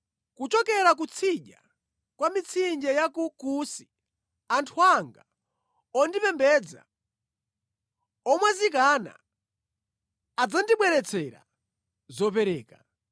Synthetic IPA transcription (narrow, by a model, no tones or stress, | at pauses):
kut͡ʃɔkɛɾak̬ut͡sʰiʄa̰ | kwamit͡sʰind͡ʒɛjakukusi | antʰuaŋɡa | ɔndipɛmbɛd͡za̰ | ɔmwazikana̰ | ad͡zandiɓwɛɾɛt͡sʰɛɾa̰ | zɔp̬ɛɾɛːka